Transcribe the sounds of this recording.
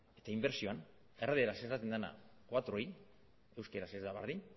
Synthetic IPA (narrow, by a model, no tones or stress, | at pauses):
et̪aimbeɾsio̞an | e̞reðeɾasent̪at̪end̪ana̰koat̪ɾo̞j | e̞wskeɾasezd̪aβa̰ɾðin